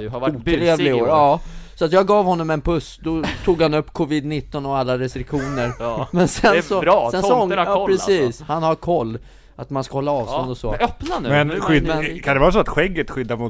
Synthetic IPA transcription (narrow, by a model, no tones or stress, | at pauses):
uːt̪ʰɾeːvlɪɡoːɾɑːsɔat̪jɑːɡɑːvhɔnːɔmɛnpʰɵsd̪ɔt̪ʰuːɡhanɵpːkʰɔviːd̪nɪt̪ːɔnɔalːaɾɛst̪ɾɪkɧuːnəɾmɛnsɛnsɔssɛnsɔɔɑːpɾɛsiːshanhaɾkʰɔlː | at̪manskahɔlːaɑːvst̪ɔnd̪ɔsɔ̰œpnamɛnɧʏmɛnkʰand̪ɛvɑːɾas̬ɔat̪ɧɛɡːət̪ɧʏd̪ːamʊ